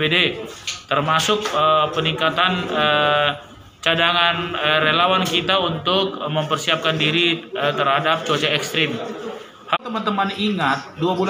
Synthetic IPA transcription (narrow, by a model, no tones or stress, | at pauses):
bedet̪ərmasʊk̚əpəniŋkat̪anə | t͡ʃadaŋanərelawankit̪aunt̪ʊk̚məmpərsiap̚kandiɾit̪ərhadap̚t͡ʃot͡ʃaɛkst̪ɾɪm | hat̪əmant̪əmaniŋat̪̚duabul